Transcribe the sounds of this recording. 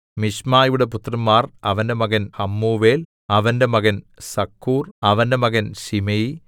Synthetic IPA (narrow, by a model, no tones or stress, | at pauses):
miɕmaːjuɽe̞put̪rɐmːaːrɐʋɐnde̞mɐɣɐnɐmːuːʋeːl | ɐʋɐnde̞mɐɣɐn | sɐkʰːuːrɐʋɐnde̞mɐɣɐnɕimɐji